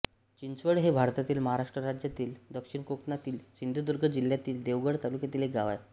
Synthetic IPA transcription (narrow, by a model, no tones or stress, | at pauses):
t͡ɕint͡sʋəɽɦebʱaɾt̪at̪iːlməɦaɾaʂʈɾəɾad͡ʑjat̪iːld̪əkʂiɳkoknat̪iːlɕind̪ʱed̪uɾɡʱəd͡ʑil̤jat̪iːld̪eʋɡəɽt̪alukjat̪iːlɦekɡaʋaj